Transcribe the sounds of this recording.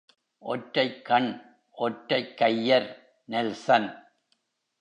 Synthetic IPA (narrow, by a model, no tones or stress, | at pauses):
ʔɔʈɾɐɪkːɐɳ | ʔɔʈɾɐɪkːɐjːɐɾ | nɛlsɐn